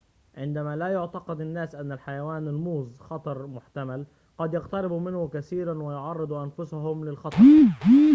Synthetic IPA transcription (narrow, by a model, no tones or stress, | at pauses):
ʕɪnd̪amalajʊʕt̪ɑqɑd̪ɪnːaːsʔanːalħajawaːnɪlmuːzxɑt̪ˤɑɾˤmʊħt̪amal | qɑd̪jɑqt̪ɑɾɪbumɪnhʊkaθiːɾanwɪjʊʕɑrˤːɨd̪ˤuʔanfʊsaɦʊmlɪlxɑt̪ˤɑ